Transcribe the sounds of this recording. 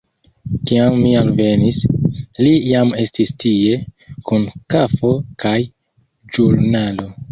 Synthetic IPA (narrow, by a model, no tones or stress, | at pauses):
kiamːialve̞nislijame̞stistie̞kunkafo̞kaj | d͡ʒuɾnalo̞